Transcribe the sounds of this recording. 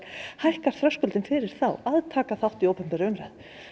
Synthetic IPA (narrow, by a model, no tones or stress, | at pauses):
hajhkaɾ̥θɾœwskʏlt̪ɪnfɪɾɪɾ̥θawaðt̪ʰaːkaθawht̪ioːwpɛm̥pɛɾɪʏmɾað